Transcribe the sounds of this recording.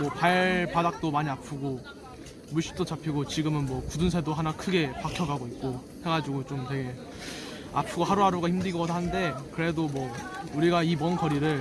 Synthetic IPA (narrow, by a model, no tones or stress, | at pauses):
mwʌpaɭpadak̚t͈omaɲiapʰɯɡo | muɭɕ͈ʰi̥p̚t͈ot͡ɕapʰiɡot͡ɕiɡɯmɯnmwʌkudɯns̬ʰe̞doɦanakʰɯɡe̞pakʰjʌɡaɡoit̚k͈o | he̞ŋad͡ʑiɡot͡ɕomtwe̞ɡe̞ | a̰pʰuɡohaɾuaɾuɡaçimdɯiɡʌdɦande̞kɯɾedomwʌuɾiɡaimʌnkʌɾiɾɯɭ